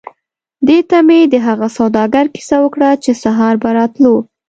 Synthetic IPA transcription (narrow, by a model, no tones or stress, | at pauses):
d̪et̪amed̪əɦaɣasawd̪ɑɡaɾki̥sawəkɽat͡ʃesaɦɑɾbaɾɑt̪lo